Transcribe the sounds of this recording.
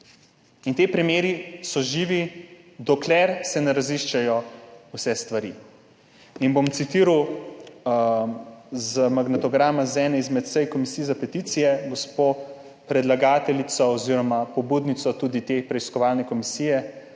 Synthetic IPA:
int̪eːpɾimjeːɾisɔʒiːʋi | d̪ɔklɛɾsɛnɛɾaziʃt͡ʃajɔwsɛst̪ʋaɾḭ | inbomt̪sit̪iːɾaw | zmaɡnɛt̪ɔɡɾaːmazɛːnɛizmɛt̪səjkɔmisiːɛzapɛt̪iːt̪sijɛɡospo | pɾɛd̪laɡaːt̪ɛlit̪sɔɔziːɾɔmapɔbuːd̪nit̪sɔt̪uːd̪it̪eːpɾɛiskɔʋaːlnɛkɔmisiːjɛ

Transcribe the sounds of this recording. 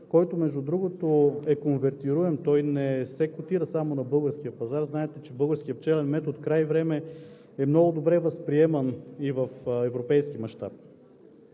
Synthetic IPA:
kɔjt̪omɛʒd̪ud̪ɾuɡot̪oɛkonvɛɾt̪iɾuɛmt̪ɔjnɛsɛkot̪iɾəsamonɐbɤlˠɡəɾsk̟ijəpɐzaɾznaɛt̪ɛt͡ʃɛbɤlˠɡəɾsk̟ijəpt͡ʃɛlɛnmɛt̪ot̪kɾajvɾɛmɛ | ɛmnɔɡʊd̪obɾɛvɐspɾiɛmɐnivɐfɛvɾopɛjsk̟imɐʃt̪a̰p̚

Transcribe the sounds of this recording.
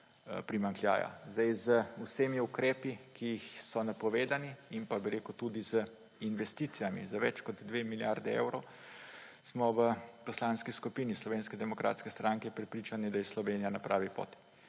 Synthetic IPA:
pɾimaŋklja̰ːja̰zd̪ajzəuseːmiukɾeːpikiːxsɔnapɔʋeːd̪aniːmpabiɾeːkut̪ud̪izə | inʋɛst̪it̪sijamḭzaʋɛ̰t͡ʃkɔd̪d̪ʋemiljaɾd̪ɛḛwɾow | smɔʋəpɔslanskiskupiːnislɔʋeːnskɛd̪ɛmɔkɾa̰ːt̪skɛst̪ɾaŋkɛpɾɛpɾiːt͡ʃanid̪ajɛslɔʋeːnijanapɾaːʋipo̰ːt̪i̥

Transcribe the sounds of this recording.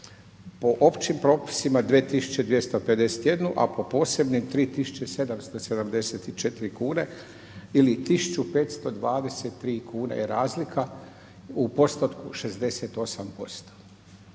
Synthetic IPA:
po̞ʔo̞pt͡ɕimpɾo̞ːpi̥simad̪ʋeːt̪isu̥t͡ɕe̞d̪ʋje̞st̪o̞ped̪e̞se̥t̪jed̪nuʔa̰po̞po̞ːse̞bnimt̪ɾiːt̪isu̥t͡ɕese̞d̪amst̪o̞se̞d̪amd̪e̞set̪it͡ʃe̞t̪iɾikuːne | ilit̪isut͡ʃupe̞ːt̪st̪o̞d̪ʋaːd̪e̞set̪ːɾiːkʰuːnḛjeɾaːzlikʰa | upo̞st̪ot̪kuʃe̞zd̪e̞set̪o̞sampo̞̰st̪o̥

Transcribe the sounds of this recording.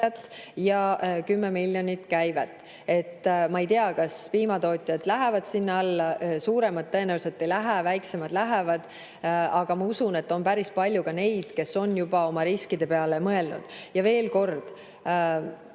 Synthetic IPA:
ɑt̪ːjɑkymːemiljo̞nʲit̪kæjvæt̪ːˑ | e̞t̪ːmɑejt̪iɑkɑspiːmɑt̪o̞ːt̪ʲˑijɑd̪̥læɦævɑd̪̥sinːɑlːɑsuːɾe̞mɑd̪̚ːɤ̞e̞næwlse̞t̪ːˑejlæɦævæjkse̞mɑd̪læɦevɑd̪̥ | ɑɡ̥ɑmɑusune̞t̪ːo̞npæɾispɑlʲjukɑne̞jd̪̥ke̞so̞njub̥ɑo̞mɑɾiskid̪̥e̞pe̞ɑle̞mɤe̞lnṵd̪̥jɑve̞ːlko̞rd̪̥

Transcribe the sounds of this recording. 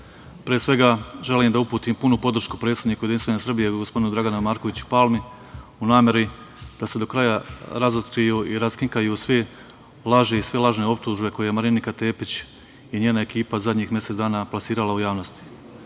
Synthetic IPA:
pɾiesʋe̞ɡaʒe̞liːmd̪aupuːt̪iːmpunupo̞d̪r̩ʃku̥pɾet̪sed̪niːkujed̪inst̪ʋaɲasr̩bijeɡospo̞d̪inud̪ɾaɡanamaːɾkoʋit͡ɕu̥palˠmi | unaːmje̞ɾi | d̪̥ase̞d̪o̞kɾajaɾazot̪kɾijuːʔiɾaskiŋkajusʋe | lˠaʒeisʋelˠaʒne̞o̞p̚t̪uːʒbe̞ko̞jemaɾinikat̪e̞ːpit͡ɕ | jeɲeːnae̞kiːpazad̪ɲiːxmjese̞t̪d̪aːnaplˠasiːɾalaujaːʋnost̪i̥

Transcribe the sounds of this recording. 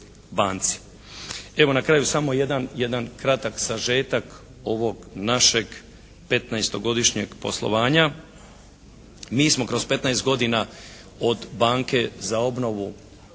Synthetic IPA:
baːnt̪si̥ | e̞ʋo̞nakɾaːjusamo̞jed̪anjed̪ankɾat̪aksaʒeːt̪ak | o̞ʋo̞ɡnaʃe̞ɡ | pe̞t̪naest̪o̞ɡo̞d̪iʃɲeɡpo̞̰slˠo̞̰ʋaːɲa | miːsmo̞kɾo̞spe̞t̪naest̪ɡo̞d̪ina | o̞d̪baːŋke̞zao̞bno̞ʋu

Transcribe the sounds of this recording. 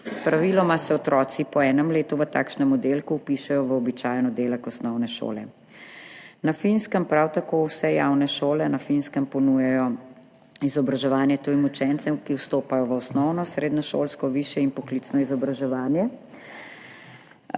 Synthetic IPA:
pɾaʋiːlɔmasɛɔt̪ɾɔːt̪sipɔɛːnɛmleːt̪uʋət̪a̰ːkʃnɛmɔd̪elkuːpiʃɛjɔʋəɔbit͡ʃaːjnɔd̪eːlɛkɔsnɔwnɛʃo̰ːlɛ̰ | nafinskəmpɾawt̪akowsɛjawnɛʃoːlɛnafinskəmpɔnujɛjɔ | izɔbɾaʒɛʋaːnjɛt̪ujimut͡ʃɛnt̪sɛwkiwst̪oːpajɔʋəɔsnɔwnɔsɾeːd̪nɔʃo̰ːlskɔʋiːʃjɛinpɔklit̪snɔizɔbɾaʒɛʋaːnjɛ

